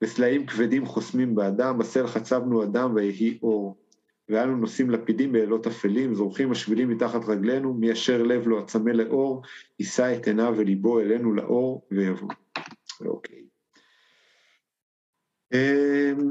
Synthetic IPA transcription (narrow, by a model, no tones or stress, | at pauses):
beslaimkvedimχo̞smimbeadambase̞lχat͡sabnuadamvajeɦiʔo̞ʁ | veanuno̞simlapidimbeːlo̞tafelimzʁuχimːaʃvilimːitaχatʁaɡle̞numiaʃe̞ʁle̞vlo̞at͡same̞leʔo̞ʁisaet̪ʰenave̞libo̞e̞le̞nula̰ʔo̞ʁvejavo̰ | o̰kʰej | e